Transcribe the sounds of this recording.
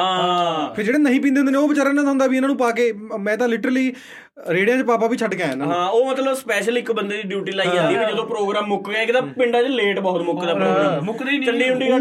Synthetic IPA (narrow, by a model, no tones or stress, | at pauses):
ɦãːpʰɪɾd͡ʒeːɽeːnəɦĩːp̬ĩːnd̪eɦndeːneːoːʋɪt͡ʃaːɾaːnãːd̪aɦʊ̃nd̪aːʋiːɪnãːnũːpaːk̬eːmɛ̃ːt̪̬ãːlɪʈəɾəliː | ɾeːɽjãːt͡ʃːpaːp̬aːʋiːt͡ʃʰəʈkjãːɛnɦãːoːmət̪ləbspɛːʃəlɪkbənd̪eːd̪iːɖjuːʈiːlaːid͡ʒãːnd̪iɛːd͡ʒəd̪õːpɾoːɡɾaːmːʊkɡːɪkd̪aːpɪɳɖaːd͡ʒːleːʈbɔːt̪mʊkːd̪aːpɾoːɡɾaːmmʊk̪ːt͡ʃəɳɖiːɦʊ̃ɳɖiː